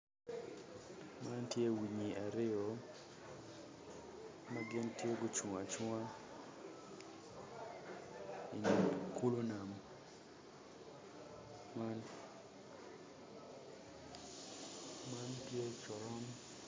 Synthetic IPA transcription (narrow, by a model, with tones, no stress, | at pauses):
ma˦ntje˦wi˨ɲi˨ʔa˨ɾɪ˦ɔ˨ | maɡɪ˦ntje˦ɡo˨t͡ʃu˨ŋa˨t͡ʃa˦ | i˨ɲ˨ku˦lo˦na˨m | ma˦ntje˦t͡ʃɔ˨ɾɔ˦m